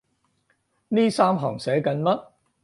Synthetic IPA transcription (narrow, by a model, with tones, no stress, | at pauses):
niː˥saː˥mɦɐ̰ː˨˩ŋsɛː˨˥kɐ˨˧nmɐ˥t̚